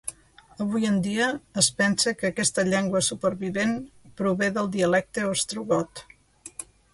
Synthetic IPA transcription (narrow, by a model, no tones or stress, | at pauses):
əβ̞ujənd̪iəːspɛnsəkəːkɛst̪əʎɛŋɡwəsupəɾβiβenpɾuβeðəlˠd̪iəlɛk̚t̪əost̪ɾuɣɔt̪